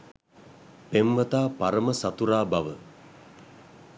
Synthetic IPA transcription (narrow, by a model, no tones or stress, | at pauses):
pemʋət̪aːpaɾəməsat̪uɾaːbaʋə